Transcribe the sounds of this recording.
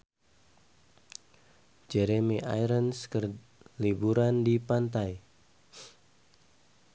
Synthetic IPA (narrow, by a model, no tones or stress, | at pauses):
d͡ʒɛɾemiʔa̰jɾənskər | libuɾandipant̪aj